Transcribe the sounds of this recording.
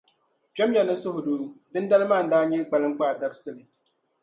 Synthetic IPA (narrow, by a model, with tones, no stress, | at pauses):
pɛ˦mja˨nɨ˦sʊ˦hʊ˨duː˨˦dɨ˦n˦da˦lɨ˦maː˦˨n̩˨˦daː˦ɲɛ˦ɡ͡ba˨lɨ˦ŋ͡m̩˦k͡paː˦˨da˨˦ɾɨ˦sɨ˦˨lɨ˨